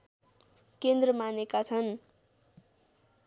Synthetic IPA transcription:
kend̪rʌmanekat͡sʰʌn

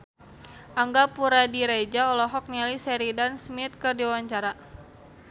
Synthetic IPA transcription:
ʔaŋɡapuɾadiɾed͡ʒaɔlɔɦɔk̚nalisɛɾidansmit̪̚kɨrdiwaɲt͡ʃaɾa

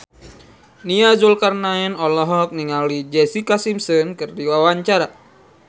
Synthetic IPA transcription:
niazulkarnaɛnɔlɔɦɔɔk̚niŋalid͡ʒɛsikasimsənkɨrdiwawaɲt͡ʃaɾa

